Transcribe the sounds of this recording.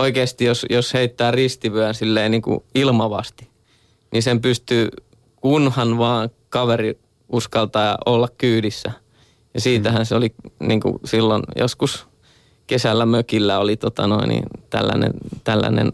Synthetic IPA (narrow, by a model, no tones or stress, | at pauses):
oikeːst̪ijosjosheit̪ːæːrist̪iʋyænsilːeːniːŋkṵilmɑʋɑ̰st̪i̥ | nisempyst̪yː | kunhɑnʋɑː | kɑʋeri | uskɑlt̪ɑːɑ̰ʔolːɑkkyːdisːæ | jɑsiːt̪æhænseoliniːŋkṵsilːonjo̰skus | kesælːæmøkilːæolit̪ot̪ɑnoinḭnt̪æ̰lːæ̰nḛnt̪ælːæ̰nḛn